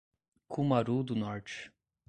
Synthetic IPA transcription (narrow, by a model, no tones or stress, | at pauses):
kʰumaɾud̪ʊnɔɾt͡ʃɪ̥